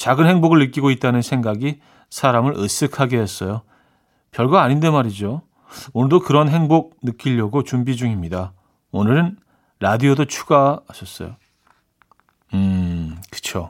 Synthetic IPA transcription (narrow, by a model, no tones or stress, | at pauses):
t͡ɕaɡɯnɦe̞ŋboɡɯɭnɯk͈iɡoit̚t͈anɯnsʰe̞ŋɡaɡi | sʰaɾamɯɾʔɯs͈ɯkʰaɡeɦes͈ʌjo | pjʌɭɡwaːɲindemaɾid͡ʑo | onɯɭdokɯɾʌnɦe̞ŋboɡ̚nɯk͈iʎːʌɡot͡ɕumbid͡ʑuŋimɲida | onɯɾɯn | ɾadiodot͡ɕʰu̥ɡaaɕʰʌs͈ʌ̰jo | ɯkɯ̥t͡ɕʰo